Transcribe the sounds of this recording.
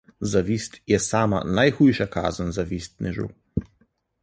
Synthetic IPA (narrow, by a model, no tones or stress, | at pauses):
zaviːst̪jɛsaːma̰najxujʃaka̰ːznzaviːst̪nɛʒṵ